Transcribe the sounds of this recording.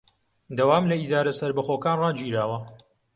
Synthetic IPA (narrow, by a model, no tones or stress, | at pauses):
d̪awaːmlɐid̪aːɾɐsɐɾbɐxoːkaːnraːd͡ʒiːɾaːwɐ